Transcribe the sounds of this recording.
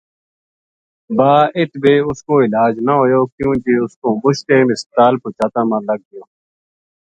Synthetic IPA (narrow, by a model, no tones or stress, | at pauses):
baːɪt̪beːʊskoːɪlaːd͡ʒnaɦoːjoːkjũːkeːʊskoːmʊʃt̪ẽːmɪst̪aːlpʊːt͡ʃaːt̪ãːmãːləɡ̚d̪ɪjoː